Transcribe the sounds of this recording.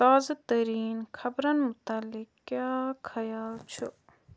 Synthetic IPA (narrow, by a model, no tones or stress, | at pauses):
t̪aːzat̪ɐɾiːnkʰɐbɾɐnmʊt̪alːɪkkːjaːkʰɐjaːlt͡ʃʰu